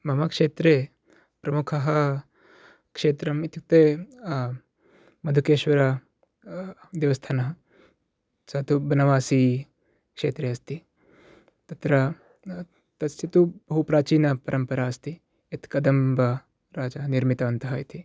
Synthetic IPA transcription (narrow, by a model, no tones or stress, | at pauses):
mɐmɐkʂeːt̪ɾeː | pɾɐmukʰɐɦɐ | kʂeːt̪ɾɐmit̪ʰit̪eː | mɐd̪ʱukeːʃʋɐɾɐ | d̪eːʋɐst̪ʰaːnɐɦɐ | sɐt̪ʰubɐnɐʋaːsiː | kʂeːt̪ɾeːɐst̪i | t̪ɐt̪ɾɐ | t̪ɐsjɐt̪ubɐɦupɾaːt͡ʃiːnɐpɐɾʔɐmpɐɾaːɐst̪i | et̪kɐd̪ɐmbɐ | ɾaːd͡ʒɐɦɐniɾmit̪ɐɐnt̪ɐɦɐit̪ʰi